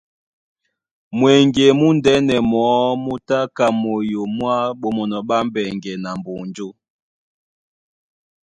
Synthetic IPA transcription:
mwe˨ŋɡe˨mu˦ndɛ˦nɛ˨mɔ˨˦mu˦ta˦ka˨mo˨jo˨mwa˦ɓo˨mɔ˨nɔ˨ɓa˦mbɛ˨ŋɡɛ˨na˨mbo˨nd͡ʒo˦

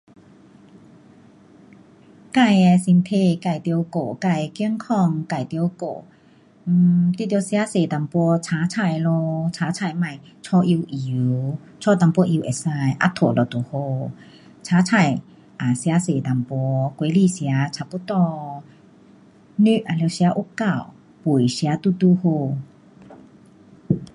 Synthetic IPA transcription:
ka˥˧˨jsi˧nt̪ʰe˧˨ka˧˩jt̪i˧wko˧˩˨ka˧˩˨jki˧˨ŋkʰɔ˧ŋka˧˩jt̪i˧ə˧wko̰˧˩˨ | t̪i˧˨t̪jwsja˧˦se˨˩t̪a˨˩mpɔ˧t͡sʰaː˨˦t͡sʰa˧˩jlo˧t͡ɕʰaː˨˥t͡sʰa˧˩jma˧˩j | t͡ɕʰɔ˧ʔi˧wʔi˨˦w | t͡sʰɔ˧˨t̪a˧˨mpɔ˧˦ʔi˧wʔe˨˩sa˧jʔa̰˧t̪ʰo˨˧˩lɔ˨˩t̪o˨˩ho˧ | t͡sʰaː˧˦t͡sʰa˧˩j | ʔa˨˩sja˧˦se˨t̪a˨˩mpwɔ˧˦kwe˧˦li˧˨sja˧˦t͡sʰa˧˩pu˧˦t̪ɔ˧ | ny˧ʔʔa˨le˧wsa˧˦ʔu˧˦ka˧˩˨w | pu˨˩˨jsja˧˦t̪u˧˨t̪u˧ho˧

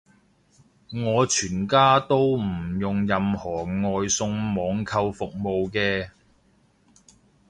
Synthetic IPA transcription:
ŋɔː˨˧t͡ʃʰyː˨˩nkaː˥t̪o˥wm̩˨˩jʊ˨ŋjɐ˨mhɔː˨˩ŋɔː˨jsʊ˧ŋmɔː˨˧˥ŋkʰɐ˧wfʊ˨k̚mo˨wkɛː˧

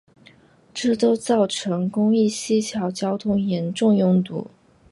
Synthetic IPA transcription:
ʈ͡ʂɤ˥˩t̪o˥ʊt͡sɑ˥˩ʊʈ͡ʂʰɤ˧˥ŋkʊ˥ŋi˥˩ɕi˥t͡ɕʰjɑ˧˥ʊt͡ɕjɑ˥ʊt̪ʰʊ˥ŋjɛ˧˥nʈ͡ʂʊ˥˧ŋjʊ˥˩ŋt̪ṵ˧˩˦

